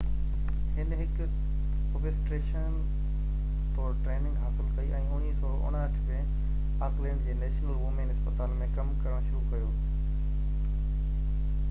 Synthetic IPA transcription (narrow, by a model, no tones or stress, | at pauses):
hɪnɦɪk | obesʈɾeːʃən | t̪oːʈɾeːnɪ̃ŋɡɦaːsɪlkɐiʔɛ̃ːʊnisoːɾoʔʊ̰ɽ̤̃aɐʈʰkẽ | aːklẽːɳɖd͡ʑeːneːʃnəlʋuːmẽnɪspət̪aːlmẽkɐmkɐɾəɽ̃ʃʊɾukɐjoː